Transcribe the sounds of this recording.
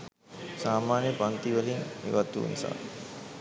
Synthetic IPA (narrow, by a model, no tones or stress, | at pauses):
saːmaːnjəpɐnt̪iʋəliŋḭʋat̪ːṵnḭsa̰ː